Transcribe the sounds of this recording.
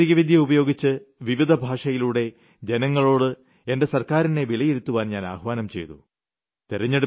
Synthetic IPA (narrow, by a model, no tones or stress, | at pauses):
iɣɐʋid̪ʱjɐubɐjo̞ːɡit͡ɕːɨʋiʋid̪ʱɐbʱaːʂɐjiluːɽe̞ | d͡ʑe̞nɐŋːɐɭo̞ːɽɨ | e̞nde̞sɐrkaːɾineʋilɐjiɾut̪ːuʋaːnɲaːna̰ːhʋaːnɐmt͡ɕe̞̰jt̪ṵ | t̪iɾɐɲːɐɽ